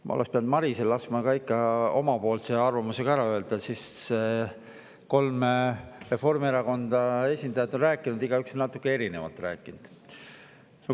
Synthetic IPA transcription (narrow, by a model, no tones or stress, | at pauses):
mʔɑ̰o̰lekspeɑnd̪̥mɑɾiselːɑsmɑkɑikːˑɑo̞̰mɑpo̞ːlseɑrvɑmuse̞ɡ̥ɑæɾɑøeld̪ɑsisse | ko̞lmere̞fo̞rmieɾɑko̞nd̪̥ɑe̞sʲind̪ɑjɑd̪o̞nræːkːˑinud̪iɡ̥ɑyksonɑt̪ːukːˑee̞ɾine̞vɑ̰lt̪ˑræ̰ːkːˑind̪̥ | no